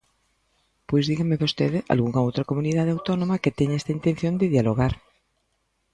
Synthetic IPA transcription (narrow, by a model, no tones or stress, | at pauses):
pojzðiɣameβost̪eðeʔa̰lɣuŋaowt̪ɾakomuniðaðawt̪ɔnõmaket̪eɲaest̪aint̪ẽn̟θjond̪eðjaloɣ̞aɾ